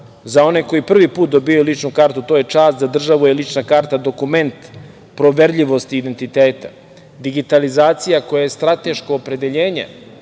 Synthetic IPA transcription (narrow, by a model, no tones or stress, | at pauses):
zao̞neko̞jipr̩ʋipuːt̪̚d̪o̞bijajulit͡ʃnukaːɾt̪ut̪o̞je̞t͡ʂaːst̪zad̪r̩ʒaʋujelit͡ʃnakaːɾt̪ad̪o̞kume̞nt̪ | pɾo̞ʋeɾʎiʋo̞st̪iːd̪ent̪it̪eːt̪ḁ̰ | d̪iɡit̪alizaːt̪sijakojajest̪ɾat̪e̞ʃkoːpɾe̞d̪e̞ʎeːɲḛ